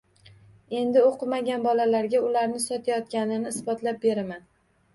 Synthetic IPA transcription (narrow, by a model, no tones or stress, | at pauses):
e̞nd̪ɪoqʰɨmaɡʲanbɒlalaɾɡʲaʊlaɾnɪsɒt̪ʰajɒt̪̚kʲanɪnɪːsbɒt̪ʰlap̚be̞ɾaman